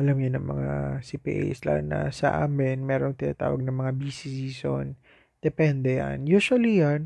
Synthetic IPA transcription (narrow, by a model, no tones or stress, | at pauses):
ʔɐlamjʊnɐŋmɐ̰ŋa̰sipḭʔḛsla̰nnːɐ̰sɐ̰ʔaːmɪnmɛːɾoŋt̪ɪna̰ːt̪a̰ːwɐɡ̚nɐŋmɐŋabisisiːso̰n | d̪̥ɛpɛnd̪ɛja̰njuːswɐlijan